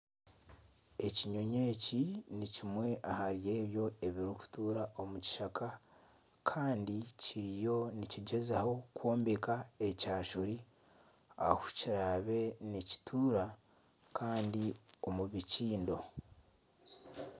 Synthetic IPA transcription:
e̞ciɲo̞ɲe̞ːcinicimwe̞ʔahaɾje̞ːβjo̞e̞βiɾiku̥tuːɾaʔo̞muci̥ʃakʰa | kʰaːndiciɾijo̞niciɟe̞zaho̞kwo̞ːmbekaecaːʃuɾi | a̰hu̥ciɾaːβe̞nici̥tʰuːɾa | kʰaːndio̞muβiciːndo̞

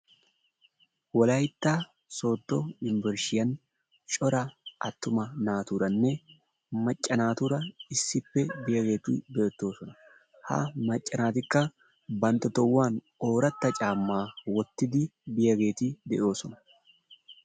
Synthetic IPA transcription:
wɔlɐjt̪ːaː | so̞ːd̪ːɔɪnvɛɾʃɪjɐn | t͡ʃʼɔɾɐʔɐt̪ːʊmɐnaːt̪uɾɐnːɛ | mɐt͡ʃʼːɐnaːt̪ʊɾɐɪsːɪpːɛbɪjɐɡe̞ːt̪ɪ̰d̪ɛɛt̪ːo̞ːsɔnɐ | hɐ̰mɐt͡ʃʼːɐnaːt̪ɪkːɐ | bɐnt̪ːɔt̪ɔwːaːn | o̞ːɾɐt̪ːɐt͡ʃʼaːmːaːwɔt̪ːɪd̪ɪbɪjɐɡe̞ːt̪ɪd̪ɛ̰ʔo̞ːsɔnɐ

